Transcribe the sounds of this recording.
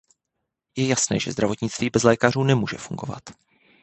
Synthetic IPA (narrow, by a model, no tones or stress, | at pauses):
jɛjasnɛːʒɛ̰zd̪ɾavo̞t̪ɲɪt͡st̪viːbɛzlɛːkaruːnɛmuːʒɛfuŋɡo̞̰va̰t̪